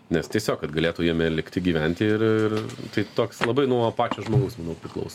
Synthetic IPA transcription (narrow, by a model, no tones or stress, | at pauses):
nʲɛst̪ʲiɛsʲoːkkɐt̪ɡɐlʲeːt̪uːjiɛmʲɛlʲɪkt̪ʲɪɡʲiːʋʲɛnʲt̪ʲɪɪrɪrt̪ɐɪt̪oːkslˠɐbɐɪnuɔpɑːt͡ʃʲoːʒmoːɡɐʊsmɐnɐʊpʲɾʲɪklˠɐ̰ʊs